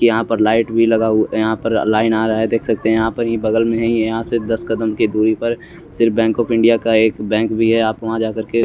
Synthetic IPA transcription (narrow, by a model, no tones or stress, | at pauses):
kijɐɦãpəɾlaːɪʈbʱilɐɡajɐɦãpəɾlaːɪnaːɾaɦed̪eːkʰsɐk̚t̪eɦɛ̃jɦãpɐɾɦĩbɐɡəlmẽɦĩjɐɦãsed̪ɐskəd̪əmkid̪uːɾipɐɾ | sɪɾfbɛ̃ːŋkɔːpʰɪ̃ɳɖijakaeːkbɛ̃ːŋkbʱiɦɛaːpʋɐɦãd͡ʒaːkɐɾke